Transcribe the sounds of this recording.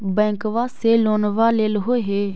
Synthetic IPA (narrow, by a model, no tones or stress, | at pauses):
bɛ̃ːŋkʋaːseːloːnʋaːleːlɦoːɦeː